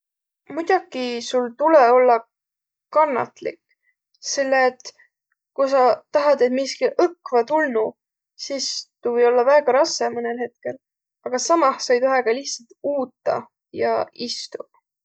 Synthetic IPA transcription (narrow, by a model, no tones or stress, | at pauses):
mujd̪̥ʲɑɡ̥isult̪uleo̞lːɑ | kɑnːɑ̰t̪lḭkː | se̞lːeːt̪ | kujsɑt̪ɑɦɑd̪e̞t̪miskilʔɤkːˑvɑt̪ulnu | sist̪uvɤjo̞lːɑvæːɡ̥ɑɾɑsemɤnelhe̞t̪̚ke̞l | ɑɡ̥ɑsɑmɑhsɑjt̪oɦeɡ̥ɑliçt̪sɑlt̪uːt̪ˑːɑ̰ | jɑ̰ist̪u